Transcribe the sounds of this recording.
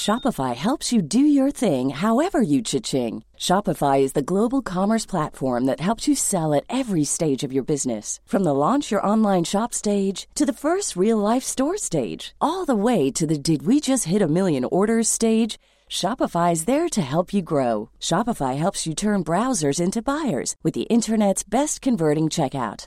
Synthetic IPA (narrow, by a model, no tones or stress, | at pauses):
ʃɑpəfaɪhɛlˠpsjɨdɨjə˞θɪ̃ŋɦaʊɛvə˞jɨt͡ʃʰɪt͡ʃɪ̃ŋ | ʃɑpəfaɪɨzðɨɡloʊbl̩ˠkʰɑmə˞spʰl̥ætfɔɹmðɨt̚hɛlˠpsjɨsɛlˠɨɾɛvɹisteɪd͡ʒʌvjə˞bɪznɨ̰sfɹʌ̃mðəlɑ̃nt͡ʃjə˞ʔɑ̃nlãɪ̃nʃɑpsteɪd̥ʒ̥tʰɨðɨfɜ˞st̚ɹilˠlaɪfstɔɹsteɪd̥d͡ʒ̥ʔɔlˠðəweɪɾɨðɨdɨd̚wid͡ʒʌst̚hɪɾɨmɪlˠjɨ̃nɔɹɾə˞z̥steɪd̥ʒ̥ | ʃɑpəfaɪzðə˞ɾɨɦɛlˠpʰjɨɡɹoʊʃɑpəfaɪɦɛlˠpsjɨtʰɜ̃˞nbɹaʊzə˞zɪ̃ntʉbaɪə̰˞z̥wɨðḭʔɪ̃ntʰə˞nɛtsb̥ɛstkʰɨ̃ɱvɜ˞ɾɪ̃ŋt͡ʃʰɛka̰ʊt̚